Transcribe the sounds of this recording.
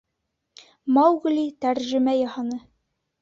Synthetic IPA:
mɑwɡlʲit̪æɾʒɘ̆mæjɒhɑnɤ

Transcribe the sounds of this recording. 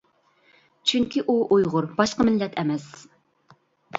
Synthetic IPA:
t͡ʃʰyŋkʲʰiʔuʔojʁʊɾbɑʃqəmɪlːɛt̪ʰɛmɛs

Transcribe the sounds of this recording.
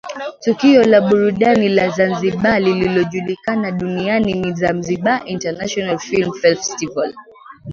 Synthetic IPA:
tukiɔlaɓuɾuɗanilazanziɓalililɔʄulikanaɗunianinizam̩ziɓaʔintanaʃɔnalfilm̩fɛlfɛstival

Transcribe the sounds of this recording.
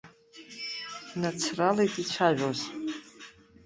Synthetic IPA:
nat͡sʰralejtʼit͡ʃʷʰaʒʷᶣoz

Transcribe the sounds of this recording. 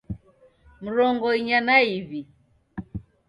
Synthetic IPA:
m̩ɾɔŋɡɔiɲanaiβi

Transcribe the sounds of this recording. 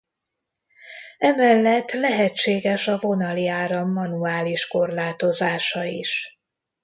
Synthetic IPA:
ɛmɛlːɛt̪ːlɛɦɛt͡ʃːeːɡɛʃɒvo̞nɒliaːɾɒmːɒnuaːliʃko̞rlaːt̪o̞zaːʃɒiʃ

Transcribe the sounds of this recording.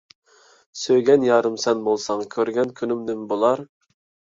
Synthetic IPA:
søjɡʲɛnjɑːɾɨmsɛnbolˠsɑŋkʲʰøɾɡʲɛnkʲʰynymd̪ɪmbolˠɑɾ

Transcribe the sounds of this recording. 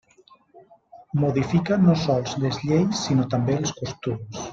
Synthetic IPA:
moðifikanosɔlˠzlezʎejsːinot̪ambelˠskust̪ums

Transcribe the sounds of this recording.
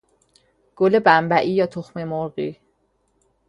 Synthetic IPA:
ɡ̥olebæmbæʔiːjɒːt̪ʰoxmemoɾɣiː

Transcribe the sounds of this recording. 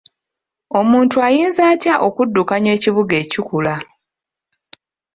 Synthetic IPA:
o̞muːntuajiːnzaːtjaʔo̞kudːukaɲwe̞ːciβuɡe̞ːcukula

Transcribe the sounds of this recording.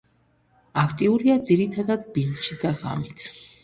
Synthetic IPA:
akʰt̪ʼiuɾiad̪ziɾit̪ʰad̪ad̪bint͡ʃʰid̪aʁa̰mit̪ʰ

